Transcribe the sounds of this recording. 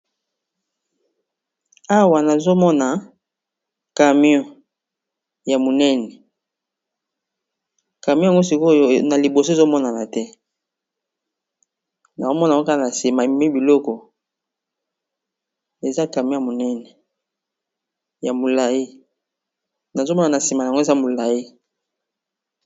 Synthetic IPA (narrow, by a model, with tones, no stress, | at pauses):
a˦wa˨na˨zo˦mɔ˦na˨ | ka˨mjɔ̃˦ | ja˨mo˨nɛ˦nɛ˨ | ka˨mj̃ja˨ŋɡo˦si˨ko˦na˨li˨bo˨so˦˨zo˦mɔ˦na˨na˨tɛ˦ | na˨ko˦mɔ˦na˨˦o˦ka˦a˨na˨si˨ma˨mi˦bi˨lɔ˦kɔ˨ | e˨za˦ka˨mjɔ̃˦a˨mo˨nɛ˦nɛ˨ | ja˨mo˨la˨ji˦ | na˨zo˦mɔ˦na˨na˨si˨ma˨ŋɡo˦e˨za˦mo˨la˨ji˦